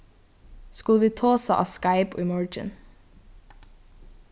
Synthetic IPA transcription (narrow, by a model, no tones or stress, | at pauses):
skʉləʋiːt̪ʰoːsɑ̰ʔɑ̰ːskɑɪpo̰ːɪmœːɹd͡ʒə̰n